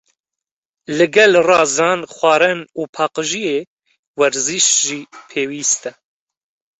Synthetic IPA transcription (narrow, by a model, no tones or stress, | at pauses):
lɨɡɛlrɑːzɑːnxʷɑːɾɛnuːpʰɑːqɨʒijeː | wɛɾziʃʒiːpʰeːwiːst̪ɛ